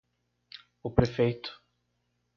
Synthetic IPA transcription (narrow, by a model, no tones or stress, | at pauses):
ʊpɾefejt̪ʊ̥